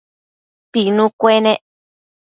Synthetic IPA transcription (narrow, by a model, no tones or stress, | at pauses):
pinũkʷenẽ